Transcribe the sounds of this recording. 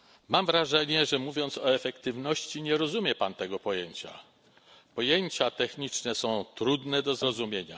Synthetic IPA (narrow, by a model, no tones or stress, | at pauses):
mamvɾaʐɛɲɛʐɛmuvʲjɔnt̪sɔɛfɛkt̪ɘvnɔɕt͡ɕiɲɛɾɔzumʲjɛpant̪ɛɡɔpɔjeɲt͡ɕa̰ | pɔjeɲt͡ɕat̪ɛxɲit͡ʂnɛsɔ̃w̃t̪ɾud̪nɛd̪ɔzɾɔzumʲjeɲa̰